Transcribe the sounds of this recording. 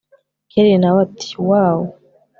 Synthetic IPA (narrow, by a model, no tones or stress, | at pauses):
kʰeɾenawat̪ʰi̥waːwo